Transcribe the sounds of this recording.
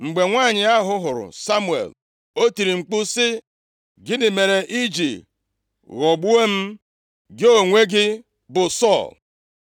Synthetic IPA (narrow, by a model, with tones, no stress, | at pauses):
ŋ͡m̩˨ɡ͡be˨ŋʷaː˦˨ɲɪ˨a˦ɦʊ˦ɦʊ˨ɾʊ̰˨sa˦mu˨ḛ˨l | o˦ti˨ɾi˨ŋ͡m̩˨k͡pʊ˦sɪ˦ | ɡɪ˦dɪ˨me˨ɾe˨ʔi˦d͡ʒi˨ | ɣɔ˨ɡ͡bu˦e˦m̩˦ | ɡɪ˦o˨ŋʷe˦ɡɪ˦ | bʊ˨sɔ˦˨l